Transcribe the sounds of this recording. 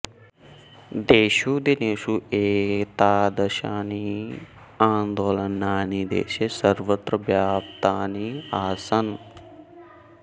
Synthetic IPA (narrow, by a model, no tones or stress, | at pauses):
d̪eːʃuːd̪eneːʃuːeːt̪aːd̪ɐʃaːni | aːnd̪oːlɐnːaːnid̪ḛːʃeːsɐɾʋɐt̪ɾɐʋjaːp̚t̪aːniːaːsɐn